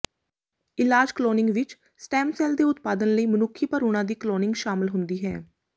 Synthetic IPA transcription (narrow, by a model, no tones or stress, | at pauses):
ɪlaːd͡ʒkloːnɪ̃ŋɡʋɪt͡ʃ | sʈɛ̃ːmsɛːld̪eːʊt̪paːd̪ənləiːmənʊkʰːiːpəɾuːɽ̃ãːd̪iːkloːnɪ̃ŋɡʃaːmɪlɦʊnd̪iːɦɛ̰ː